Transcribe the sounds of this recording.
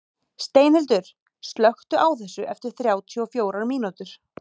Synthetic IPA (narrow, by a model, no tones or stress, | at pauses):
st̪eːjnɪlt̪ʏɾ̥ | st̪lœxt̪ʏʔawθɛsːʏʔɛft̪ɪɾ̥θɾjaːwt̪ʰiɔfjoːwɾaɾmiːnut̪ʏɾ̥